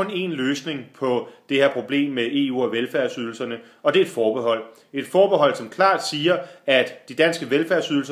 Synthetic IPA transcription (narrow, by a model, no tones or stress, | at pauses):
ɔ̽ne̝̰nløːsne̝ŋpʰɒ̽d̥e̝heɐ̰pʰʁo̝b̥le̝̰ːmːee̝ṵːɒ̽ʋelfæɐ̰syð̞ˠl̩sɐnə | ɒ̽d̥e̝ɐe̝d̥fɒːb̥eɦɒ̽l̰ | e̝d̥fɒːb̥eɦɒ̽l̰sɒ̽mkʰlɑ̰̈ːd̥siːɐæd̥d̥id̥ænsɡ̥əʋelfæɐsyðˠl̩s